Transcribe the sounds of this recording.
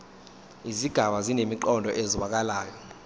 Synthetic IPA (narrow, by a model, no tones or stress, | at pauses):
iziɡ̥ʱaɓazinemiǃɔndʱɔʔeziɓak̬alaːjɔ